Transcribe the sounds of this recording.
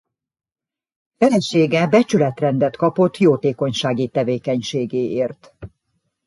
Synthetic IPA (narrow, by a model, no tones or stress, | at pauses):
fɛlɛʃeːɡɛbɛt͡ʃylɛt̪rɛnd̪ɛt̪kɒpo̞t̪ːjoːt̪eːko̞ɲʃaːɡit̪ɛveːkɛɲʃeːɡeːʔeːrt̪